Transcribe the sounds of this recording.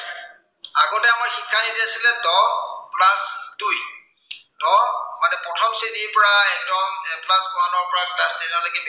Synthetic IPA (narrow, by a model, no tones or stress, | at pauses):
aɡɔtɛamaɹxikʰːanidiasilɛdɔplasduj | d̥ɔmatɛpɹɔtʰɔmsidiɹpɔɹaɛk̚dɔmplasɡɔwanɔɹpɔɹaklasdɛnalakɛb